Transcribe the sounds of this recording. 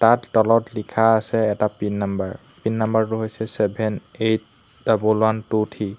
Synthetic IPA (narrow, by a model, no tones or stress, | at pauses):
tatːɔlɔtlikʰaːsɛɛtapinːambaɹ | pinːambaɹtʊɦojsɛsɛbʱɛnet̚ | d̥abulwantutʰi